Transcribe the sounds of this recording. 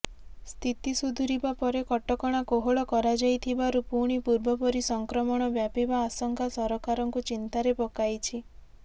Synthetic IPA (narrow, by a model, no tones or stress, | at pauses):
st̪ʰit̪isud̪ʱuɾibapɔɾekɔʈɔkɔɽ̃akoɦoɭɔkɔɾad͡ʒajt̪ʰibaɾupuɽ̃ipuɾbɔpɔɾisɔŋkɾɔmɔɽ̃ɔbjapibaːsɔŋkʰasɔɾɔkaɾɔŋkut͡ʃint̪aɾepɔkajt͡ʃʰi